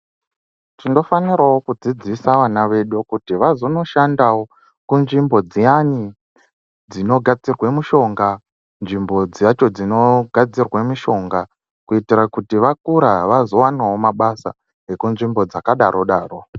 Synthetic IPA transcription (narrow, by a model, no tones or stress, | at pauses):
tindo̞faniɾawo̞kud͡zid͡zisaʋanaʋe̞ɗukutiʋazono̞ʃandawo | kunʐimbo̞d͡zijani | d͡zino̞ɡʱad͡zirwemuʃo̞ŋɡa | nʐimbo̞d͡zjat͡ʃo̞d͡zino̞ɡʱad͡zirwemuʃo̞ŋɡa | kuitiɾakutiʋakuɾaʋazo̞wanawo̞maɓasa̰ | ekunʐimbo̞d͡zakaɗaɾʔo̞ɗaːro̞